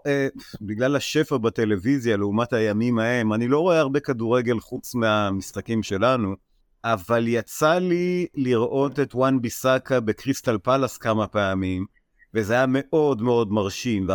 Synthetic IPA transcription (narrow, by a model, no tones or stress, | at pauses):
ebiɡlalaʃe̞faʁbate̞le̞vizjaleumathajamimahe̞manilo̞ʁo̞eaʁbe̞kaduʁe̞ɡe̞lχut͡smeamisχakimʃe̞lanu | ʔavaljat͡saliliʁʔo̞te̞twanbisakabe̞kʁist̪alpalaskamapeamim | vezeajame̞ʔo̞dmeo̞dmaʁʃimve